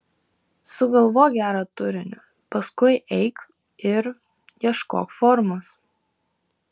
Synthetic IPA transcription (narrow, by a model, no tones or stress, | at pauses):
sʊɡɐlˠʋoːjɡʲæːɾɐt̪ʊɾʲɪnʲʊ̰ | pɐskʊɪʔɛɪk | ɪɾ | jiɛʃko̰ːkfɔɾmos